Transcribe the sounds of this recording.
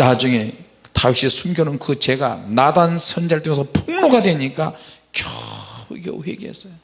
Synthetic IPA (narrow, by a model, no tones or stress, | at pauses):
nad͡ʑuŋe̞ | tauɕ͈iesʰumɡjʌnɯnkɯt͡ɕe̞ɡa̰nadansʰʌnd͡ʑaɭtʰoŋe̞s̬ʰʌpuŋnoɡadweɲik͈akjʌuɡʌ̰wḛɡees͈ʌjo